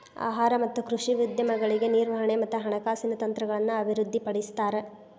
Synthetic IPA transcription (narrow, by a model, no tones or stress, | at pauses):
a̰ːɦaːɾɐmɐt̪ːukɾuʂiʋid̪jɐmɐɡɐɭiɡe̞niːɾʋɐɦɐɳemɐt̪ːuɦɐɳɐkaːsinɐt̪ɐnt̪ɾɐɡɐɭɐnːuɐbʱiɾud̪ʱːipɐɽist̪aːɾe